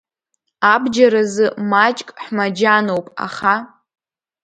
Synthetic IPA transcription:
abd͡ʒaɾazɨmat͡ʃʼkʼħmad͡ʒanowpʼa̰χa

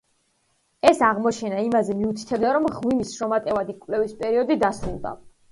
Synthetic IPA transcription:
ɛsaʁmɔt͡ʃʰɛnaimazɛmiut̪ʰi̥t̪ʰɛbd̪aɾɔmʁwimisʃɾɔmat̪ʼɛvad̪ikʼwvlɛvispʼɛɾiɔd̪id̪asɾṵlˠd̪a̰

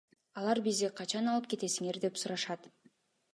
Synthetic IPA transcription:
ɑlˠɑɾbizd̪iqʰɑt͡ʃɑnɑlˠɯp̚ke̞t̪e̞siŋe̞ɾd̪e̞psuɾɑʃɑt̪

